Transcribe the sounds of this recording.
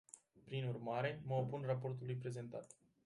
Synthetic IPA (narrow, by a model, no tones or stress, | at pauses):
pɾinurmaɾe̞məopunrapo̞rt̪ulujpɾe̞ze̞nt̪a̰t̪